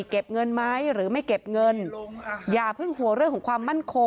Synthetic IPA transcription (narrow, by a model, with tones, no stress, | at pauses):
ke˨˩p̚ŋɤ˧nmaː˦˥jɾɯː˩˦ma˥˩jke˨˩p̚ŋɤ˧njaː˨˩pʰɯ˥˩ŋhu˩˦ɾɯ˥˩əŋkʰɔː˩˦kʰwaː˧mːa˥˩nkʰo˧